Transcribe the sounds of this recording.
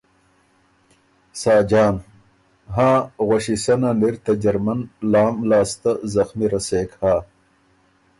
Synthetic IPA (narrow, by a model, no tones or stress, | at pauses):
saːd͡ʑaːn | ɦãːɣoɕisɐnaniɾt̪ɐd͡ʑɐɾmɐnlaːmlaːst̪ɐzɐxmiɾɐseːkhaː